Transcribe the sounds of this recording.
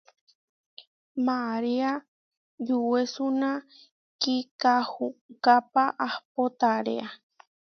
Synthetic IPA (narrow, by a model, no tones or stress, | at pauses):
mãaɾia | d͡ʒuwesunã | kikahukapaʔahpot̪aɾḛa